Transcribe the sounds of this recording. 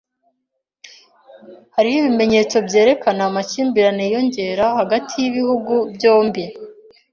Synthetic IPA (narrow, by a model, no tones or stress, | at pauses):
haɾihiβime̞ɲe̞ːt͡so̞bɟe̞ːɾe̞kanaːmaciːmbiɾanejo̞ɲɟe̞ɾahaɡatʰijiβihuɡubɟo̞ːmbi